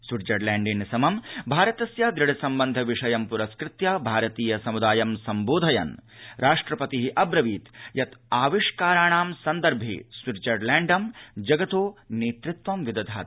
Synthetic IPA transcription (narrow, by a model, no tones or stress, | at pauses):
swiɾd͡ʒɐɾlæːɳɖinsɐmɐmbʱaːɾɐt̪ɐsjaːd̪ɾiɽɐsɐmbɐnd̪ʱɐʋiʂɐjɐmpuɾɐskɾɪt̪jaːbʱaːɾɐt̪iːjɐsɐmud̪aːjɐmsɐmboːd̪ʱɐjɐ̰nɾʔaːʂʈɾɐpɐt̪iɦiʔɐbɾɐʋiːt̪jɐt̪aːʋiʂkaːɾaːɳaːmsɐnd̪ɐɾbʱḭsʋiɾd͡ʒɐɾlæːɳɖɐmd͡ʒɐɡɐt̪oːneːt̪ɾɪt̪ʋɐmʋid̪ɐd̪ʱaː